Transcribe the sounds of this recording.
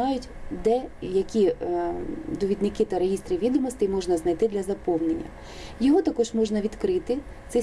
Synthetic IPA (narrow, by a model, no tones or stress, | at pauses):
ɑjʊtʲd̪ɛjɐkʲi | d̪ɔʋʲid̪nɪkɪt̪ɐɾeɦʲist̪ɾʲiʋʲid̪ɔmɔst̪ɪjmɔʒnɐznɐjt̪ɪd̪lʲɐzɐpɔwnenʲːɐ̰ | jɔɦɔt̪ɐkɔʒmɔʒnɐʋʲid̪kɾɪt̪ɪ | t̪sɛ